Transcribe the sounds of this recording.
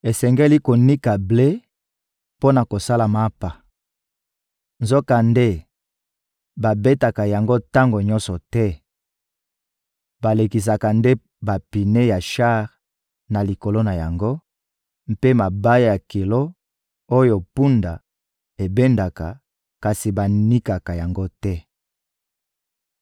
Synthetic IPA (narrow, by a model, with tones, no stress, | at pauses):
e˨sɛ˨ŋɡe˦li˦ko˨ni˦ka˨ble˦ | po˦na˨ko˨sa˦la˨ma˦pa˨ | nzɔ˦ka˨nde˦ | ba˨be˦ta˨ka˨ja˨ŋɡo˦ta˦ŋɡo˨ɲɔ˦nsɔ˨tɛ˦ | ba˨le˨ki˨s̬a˨ka˨nde˦ | ba˨pi˨ne˦ja˨ʃa˦ʁ | na˨li˨ko˨lo˦na˨ja˨ŋɡo˦ | m̩˦pe˦ma˨ba˦ja˦ja˨ke˨lo˦ | o˦jo˨pu˦nda˨ | e˨be˦nda˨ka˨ | ka˨si˨ba˨ni˦ka˨ka˨ja˨ŋɡo˦tɛ˦